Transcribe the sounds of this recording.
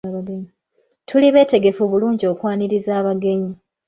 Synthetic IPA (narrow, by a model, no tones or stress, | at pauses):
βaɡeɲi | tʰuliβe̞ːte̞ɡe̞fuβuluːɲɟio̞ːkwaːniɾizaːβaɡe̞ɲi